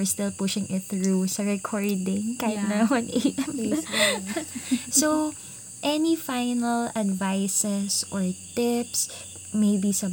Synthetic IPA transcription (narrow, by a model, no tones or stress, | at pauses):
ɛɹst̪ɪlpʊʃɪ̃ŋɪt̪̚θɹusɐɹɛkʰɔɹd̪ɪ̃ŋkajɪt̪naɔ̃nʔeɪt̪ɛme | so | ʔɛnifaɪnɐlɐd̪vajsɛsʔɔɹt̪ɪps | mejbisɐ